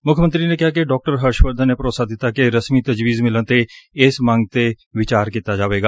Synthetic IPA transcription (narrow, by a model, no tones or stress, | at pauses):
mʊkʰmənt̪ɾiːnẽkɪɦaːk̬eɖɔːk̚ʈəɾɦəɾʃʋəɾd̪neːpəɾoːt̪saːd̪ɪt̪ːaːkeɾəsmit̪əd͡ʒʋiːzmɪlənt̪eɪsmə̃ŋɡ̚t̪e | ʋɪt͡ʃaːɾkiːt̪ad͡ʒaːʋeːɡaː